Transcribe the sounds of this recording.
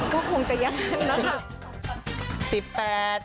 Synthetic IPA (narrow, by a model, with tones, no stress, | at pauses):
kɔː˥˩kʰo˧ŋt͡ɕa˨ja˧˦ŋa˧˦˥nna˦˥kʰa˦˥ | si˨˩pːɛː˨˩t̪̚